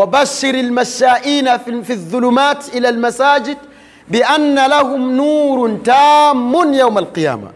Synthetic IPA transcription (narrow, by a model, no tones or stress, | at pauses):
wabaʃːɪɾalmaʃaːʔiːnafiðːʊlʊmaːt̪ʔɪlalmasaːd͡ʒɪd̪ | bɪʔanːalahʊmnuːɾt̪aːmːʊnjawmalqɨja̰ːma̰